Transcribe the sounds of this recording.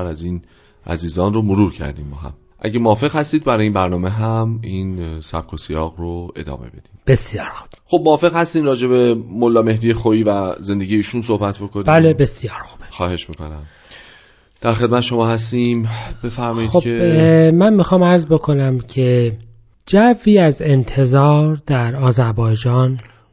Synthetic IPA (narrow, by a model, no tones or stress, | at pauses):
ɾæziːn | ʔæ̰ziːzɒːnromoɾuːɾcʰæ̰ɾd̪iːmbɒːɦæ̰m | ʔæ̰ɟemoɒːfe̞ɣhæst̪iːd̪̚bæɾɒːjimbæɾnɒːmeɦæminsæ̰b̚kʰosijɒːɣɾoe̞̰d̪ɒ̰ːme̞̰be̞d̪̥iːmb̥e̞sjɒːɾxu̥b̥xob̚moɒːfe̞ɣhæst̪iːmrɒːd͡ʒe̞be̞molːɒːme̞hd̪ijexoiːvæze̞nd̪e̞ɡʲijeiːʃunso̞hbæt̪ʰbo̞kʰonibæːllebe̞sjɒːɾxu̥b̥e̥xɒːhe̞ʃmiːko̞̰næm | d̪̥æɾxed̪mæt̪ʰeʃo̞mɒːhæst̪iːmb̥e̞fæɾmɒːjidxobʰemænmixɒːmæɾzbo̞kʰo̞næmcʰe̞ | d͡ʒæviːæze̞nt̪ʰe̞zɒːɾd̪̥æɾɒːzæɾbɒːjd͡ʒɒːn